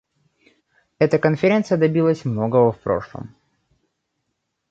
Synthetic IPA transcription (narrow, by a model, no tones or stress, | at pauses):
ɛt̪əkənfʲɪɾʲent̪sɨjəd̪ɐbʲilˠəsʲmno̞ɡəvəfpɾo̞̰ʂlˠə̰m